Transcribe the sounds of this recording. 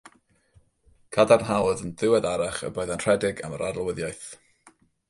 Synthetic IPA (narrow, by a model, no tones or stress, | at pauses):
kʰadarnɦawðəndɪwɛdaɾaχə̰boɨðantʰr̥ɛdɪɡa̰məɾadlˠwəðjajθ